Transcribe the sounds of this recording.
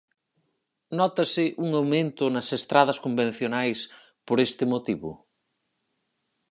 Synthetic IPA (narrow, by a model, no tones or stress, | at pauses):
nɔt̪ɐsɪʔuŋawmẽnt̪ʊnɐsest̪ɾað̞ɐskombẽn̟θjonajs | poɾest̪ɪmot̪iβʊ̰